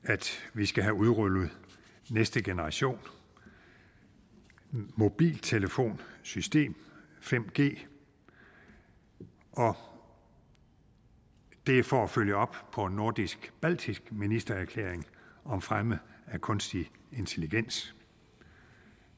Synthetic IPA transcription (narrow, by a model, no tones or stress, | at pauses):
æd̥ʋisɡ̥æɦæuðˠʁølð̞̩ˠ | nesd̥əɡ̥enəʁɑ̈ɕo̝̰ːn | mo̝b̥ḭːlt͡sʰe̝ləfo̝̰ːnsysd̥e̝̰ːm | fem̰ɡ̥e̝̰ː | ʔɒ̽ | d̥e̝fɒæføljəɒ̽b̥pʰɒ̽no̝ɐd̥isɡ̥b̥æl̰d̥ʰisɡ̥minisd̥ɐæɐkʰlḛːɐeŋɒ̽mfʁaməækʰɔ̽nsd̥i | e̝nt͡sʰe̝liɡ̥en̰s